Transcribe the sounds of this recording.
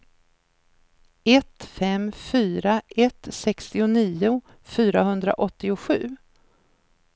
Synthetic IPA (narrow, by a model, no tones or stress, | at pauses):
ɛt̪fɛmfyːɾaʔɛt̪sɛkst̪ɪʊniːʊ | fyːɾaɦɵnd̪ɾa̰ʔɔt̪ːɪʊɧʉ̟ː